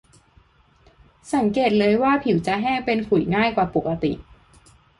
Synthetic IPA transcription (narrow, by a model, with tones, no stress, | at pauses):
sa˩˦ŋkeː˨˩t̪̚lɤː˧jwaː˥˩pʰi˩˦wt͡ɕa˧˩ʔɦɛː˥˩ŋpe˧npʰu˨˩˦jŋaː˥˩jkwaː˨˩po˨˩kːa˧t̪ḭ˨˩ʔ